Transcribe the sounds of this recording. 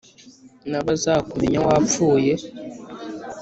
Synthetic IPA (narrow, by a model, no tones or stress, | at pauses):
naβazakume̞ɲawap͡fuːje